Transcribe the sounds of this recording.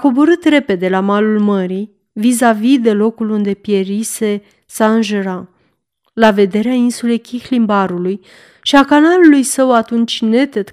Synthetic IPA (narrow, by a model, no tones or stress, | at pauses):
ko̞bo̞ɾɨt̪re̞pe̞d̪e̞lamalulməɾi | vizavid̪e̞lo̞kulund̪e̞pje̞ɾise̞ | saɨnʒuɾa | lave̞d̪e̞ɾeainsule̞jkʲixlimbaɾuluj | ʃiakanalulujsəwat̪unt͡ʃʲne̞t̪et̪